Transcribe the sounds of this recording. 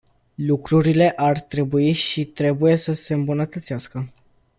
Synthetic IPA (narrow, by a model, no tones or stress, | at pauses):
lukɾuɾile̞ʔart̪ɾe̞buiʃit̪ɾe̞buje̞səse̞ɨmbunət̪ət̪siaskə